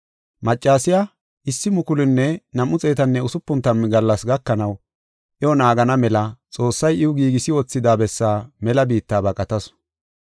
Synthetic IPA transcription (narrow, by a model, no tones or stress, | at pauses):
mɐt͡ʃʼːaːsɪja | ʔɪsːɪmʊkʊlɪnːɛnɐmʊt͡sʼeːt̪ɐnːɛʊsʊpːʊnt̪ːɐmɡɐlːɐsɡɐkːɐnɐw | ʔɛɔnaːɡɐnɐmɛlɐt͡sʼo̞ːsːɐjɪʊɡiːɡɪsɪwɔt͡sːɪd̪aːbɛsːaːmɛlɐbiːt̪ːaːbɐkʼɐt̪ɐs